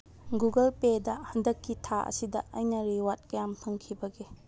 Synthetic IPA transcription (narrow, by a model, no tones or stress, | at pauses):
ɡuɡɐlpedɐhɐndɐkːitʰaʔɐ̰sidɐɐjnɐɾiwat̚kɐjampʰɐŋkʰibɐɡe